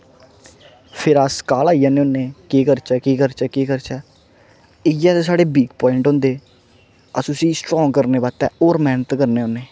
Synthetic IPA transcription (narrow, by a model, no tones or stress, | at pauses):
pʰɪɾaskaːlaːijãːneːõːneːkeːkəɾt͡ʃɛːkiːkəɾt͡ʃɛːkeːkəɾt͡ʃɛː | ɪjaːt̪eːsaːɽeːbiːɡpɔːɪɳʈɦõːnd̪eː | əsũsiːsʈɾɔːŋɡkəɾneːbaːt̪ɛːoːɾmɛːnət̪kəɾneːõːnːeː